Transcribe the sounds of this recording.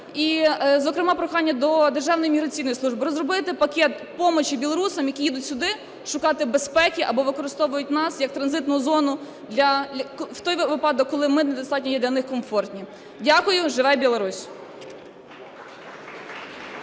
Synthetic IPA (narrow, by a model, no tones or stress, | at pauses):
izɔkɾɪmɑpɾɔxɑnʲːɐd̪ɔd̪erʒɑwnɔjimʲiɦɾɐt͡sʲijnɔjisˠuʒbɪɾɔzrɔbɪt̪ɪpɐkʲɛt̪ | pɔmɔt͡ʃibʲilˠɔɾusɐmjɐkʲijid̪ʊtʲsʲʊd̪ɪ | ʃʊkɑt̪ɪbespɛkʲiʔɐbɔʋɪkɔɾɪst̪ɔʋʊjʊt̚ʲnɑsjɐk̚t̪ɾɐnzɪt̪nʊjʊzɔnʊ | d̪lʲɐkwt̪ɔjʋɪpɑd̪ɔkːɔlˠɪmɪnɛd̪ɔst̪ɑtʲnʲɔjɛd̪lʲɐnɪxkɔmfɔrtʲnʲi | dʲakʊjʊʒɪʋɛjbʲilˠɔɾusʲ